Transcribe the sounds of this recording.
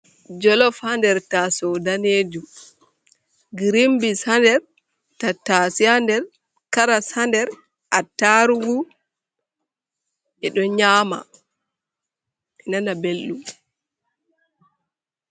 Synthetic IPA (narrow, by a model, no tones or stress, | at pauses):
d͡ʒɔlɔfhandɛɾtasɔdaneːd͡ʒu | ɡiɾimbisandɛɾ | tatasiandɛɾ | kaɾasandɛɾ | ʔatːaɾuɡu | ʔɛɗɔɲaːma̰ | ɛnanabelːu